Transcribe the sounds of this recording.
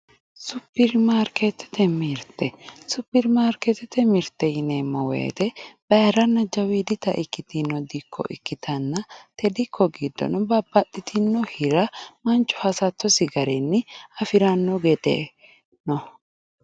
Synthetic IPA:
sʊpːɪɾmaːɾket̪ːɛ̥t̪ɛmiɾt̪ɛsʊpːɪɾmaːɾkɛt̪ɛt̪ɛmɪɾt̪ːɛjɪnemːɔwḛːt̪ɛb̥ɐɾɐnːɐd͡ʒɐwiːd̪ɪt̪ɐʔɪkːɪt̪ɪnːɔd̪ɪkʰːɔ̰ʔɪ̰kːɪt̪ʰɐnːɐt̪ɛd̪ɪkʰːɔɡiːd̪ːɔ̰nɔbɐbːɐt̪ʼːɪt̪ʰɪnːɔhɪɾɐmɐnt͡ʃːɔ̥hɐsɐt̪ːɔsɪɡɐɾɛnːɪɐfɪɾɐnːɔɡɛd̪ḛ | nɔ

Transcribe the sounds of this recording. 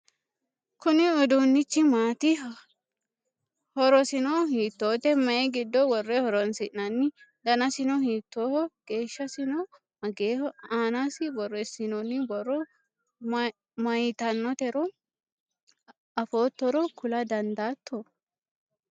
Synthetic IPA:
kʊnɪɔd̪unːɪt͡ʃːɪmaːt̪ɪ | hɔɾɔsɪnɔɦiːt̪ːoːt̪ɛmɐjɛɡɪd̪ːɔwɔrːɛhɔɾɔnsɪʔnɐnːɪd̪ɐnɐsɪnɔhiːt̪ːoːhɔɡ̥e̞ːʃːɐsɪnɔ | ɐɡeːhɔaːnasɪbɔrːɛsɪnɔnɪbɔrːɔ | mɐjɪt̪ɐnːɔt̪ɛɾɔ | ɐfoːt̪ːɔɾɔkʊlɐd̪ɐnd̪aːt̪ʰːɔ

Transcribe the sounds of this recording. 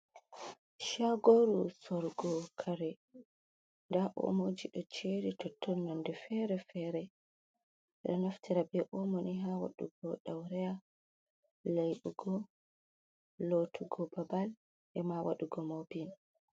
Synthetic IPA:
ʃaɡoɾusɔɾɡɔkʰaɾɛ | ndaʔo̰mod͡ʒiɗɔt͡ʃeɾitɔtʰːɔnːɔndɛfɛɾɛfɛɾɛ | ɗɔ̰naftiɾabɛʔɔmoniɦawa̰ɗṵɡɔɗawɾɛja | lajɗuɡɔ | lotʰuɡɔbabal | ʔɛmawa̰ɗuɡɔmobin

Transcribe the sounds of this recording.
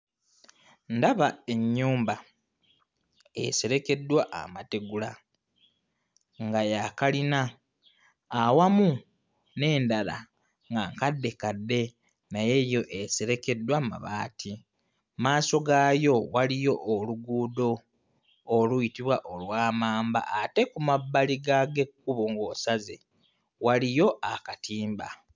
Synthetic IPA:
ndaβae̞ɲːuːmba | eseɾe̞ke̞dːwaʔa̰mate̞ɡula | ŋɡajakalina | wamu | ne̞ːndala̰ | ŋɡaŋkadːe̞kadːe̞ | naje̞ːjo̞ʔe̞seɾe̞ke̞dːwama̰βaːtʰi | maːso̞ɡaːjo̞walijo̞ʔoluɡuːdo̞ː | lujitiβwaʔolwaːmaːmba̰ʔate̞kumabːaliɡaɡe̞kːuβoŋɡo̞saze̞̰ | walijo̞ʔakatiːmba

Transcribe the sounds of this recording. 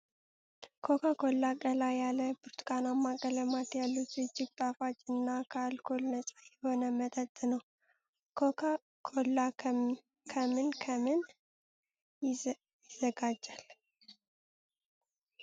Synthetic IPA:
kʰo̞kʰakʰo̞lːakʼəlajaləbɨɾt̪kʰʼanamːakʼələmat̪jalːut̪zɨd͡ʒːɪɡ̚t̪ʼafat͡ʃʼɨnːakʰalkʰolnəsʼajɛho̞nəmət̪ʼət̪ʼnəw | kʰokʰa | kʰolːa | kʰəmɨnkʰəmɨn | jɪzəɡad͡ʒːal

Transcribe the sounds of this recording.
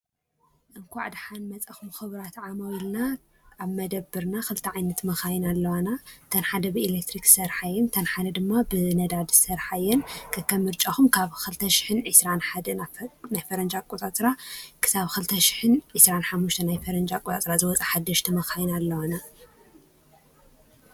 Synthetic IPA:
ʔɨnkʰʷaʕd̪ħanmɐt͡sʼaxumxɨβɨɾat̪ʕamowilna | ʔaβmɐd̪ɐbːɨɾnaxɨlt̪ʰɐʕajnɐt̪mɐxajɪnalːɐwanat̪ʰɐnħad̪ɐbɨilek̚t̪ʰɾiksɐɾħajːɛnt̪ʰɐnħad̪ɐd̪ɨmːabɨnɐd̪ad̪sɐɾħajːɛnkʰɐkːɐmɨɾt͡ʃʼaxumkʰaβxɨlt̪ʰɐʃɪ̥ħɨnʕɨsɾanħad̪ɐnanajfɐɾɐnd͡ʒakʼut̪ʼat̪ʼɾakʰɨ̥saβxɨlt̪ʰɐʃɪ̥ħɨnʕɨsɾanħamːuʃt̪ʰɐnajfɐɾɐnd͡ʒakʼut̪at̪ʼɾazɨwɔt͡sʼaħad̪ːɐʃt̪ʰɐmɐxajnalːɐwana

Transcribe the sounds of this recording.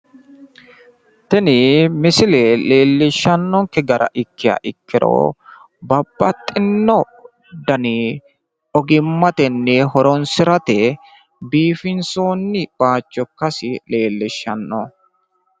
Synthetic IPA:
t̪ɛnɪmɪsɪlɛle̞ːlːɪʃːɐnːɔŋkɛɡɐɾʔɐ̰ʔɪkːɪɐ̰ʔɪkːɪɾo̰ː | bɐbːɐt̪ʼːɪnːɔ | d̪ɐnɪ | ɔɡɪmːɐt̪ɛnːɛɦɔɾɔnsɪɾɐt̪ɛ | biːfɪnsoːnːɪb̥aːt͡ʃːɔkːɐsɪle̞ːlːɪʃːɐ̰nːɔ̰

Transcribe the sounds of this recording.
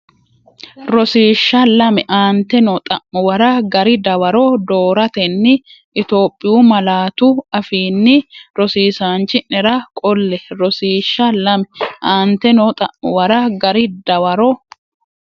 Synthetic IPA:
ɾɔsiːʃːɐlɐmɛʔaːnt̪ɛnɔt̪ʼɐʔːʊwɐɾɐɡɐɾɪd̪ɐwɐɾɔd̪oːɾɐt̪ɛnːɪ | ʔɪt̪o̞ːpʼːɪjuːmɐlaːt̪ʊɐfiːnːɪɾɔsiːsaːnt͡ʃːɪnɛɾɐkʼɔlːɛɾɔsiːʃːɐlɐmɛʔaːnt̪ɛnɔt̪ʼɐʔːʊwɐɾɐɡɐɾɪd̪ɐwɐɾɔ

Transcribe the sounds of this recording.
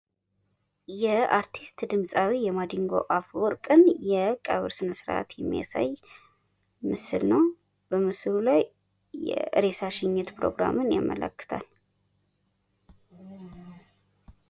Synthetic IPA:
jɛaɾt̪ʰist̪d̪ɨmsʼawijɛmad̪iŋɡo̞̰ʔafwɔɾkʼɨnjɛkʼəβɨɾsɨnəsɨɾʔa̰t̪jɛmːḭja̰sa̰j | mɨsɨlnəw | b̥əmɨsɨlulaj | jɛ̰ʔɨ̰ɾe̞saʃɪɲːɛt̪pʰɾo̞̰ɡɾa̰mɨnjamːə̰lə̰kːɨ̥t̪ʰal

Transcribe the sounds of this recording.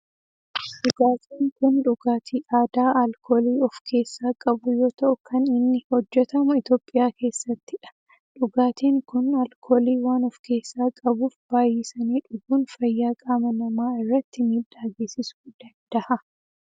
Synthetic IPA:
ᶑʊɡaːt̪ʰiːŋkʊnᶑʊɡaːt̪ʰiːʔaːd̪aːʔɐlkʰoːliːɔfkʰe̞ːsːaːkʼɐbʊjo̞ːt̪ɐʔʊkʰɐnɪnːɪhɔd͡ʒːɛt̪ɐmʊɪt̪o̞ːpʼːɪjaːke̞ːsːɐt̪ːɪᶑɐ̥ | ᶑʊɡaːt̪iːŋkʊnɐlkʰoːliːwaːnɔfke̞ːsːaːkʼɐbuːfb̥aːjiːsɐniːᶑʊɡuːnfɐjːaːkʼaːmɐnɐmaːɪrːɐt̪ːɪmiːᶑːaːɡeːsɪsʊ̥d̪̥ɐnd̪ɐhɐ

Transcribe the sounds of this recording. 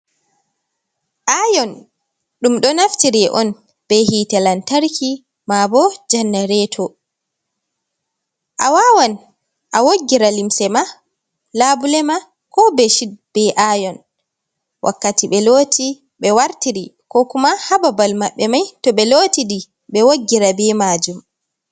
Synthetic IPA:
ʔajɔn | ɗumɗɔnaftiɾɛʔɔn | b̥ɛɦitɛlantaɾkʰi | mabɔd͡ʒanːaɾɛtʰɔ | ʔawawan | ʔawoɡːiɾalimsɛma | labulɛma | kɔbɛʃid̚b̥ɛʔajɔn | wʔa̰kːatiɓɛloːtʰi | ɓɛwaɾtiɾikɔkumahababalmaɓːɛmajtɔɓɛlotidi | ɓɛwoɡːiɾabɛmaːd͡ʒum

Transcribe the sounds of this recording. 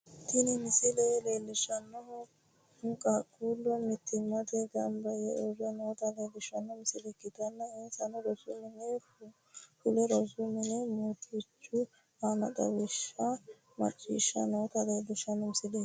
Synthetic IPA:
t̪ɪnɪmɪsɪlɛleːlːɪʃɐnːɔ | ʊŋkʼɐkʼːuːlːɔmɪt̪ːɪmːɐt̪ɛɡɐmbɐjɛɔɾɐnoːt̪ɐleːd̪ɪʃɐnːɔmɪsɪlɛkːɪt̪ɐnːɐensɐnɔɾɔsʊmɪnɛ | fʊlɛɾɔsʊmɪnɛmot̪ʰɪt͡ʃːʊ | anɐ̰d̪ɐ̰wɪʃːɐ | mɐ̰t͡ʃʼːḭːʃːɐ̰noːt̪ɐd̪edɪʃɐnɔmɪsɪleː

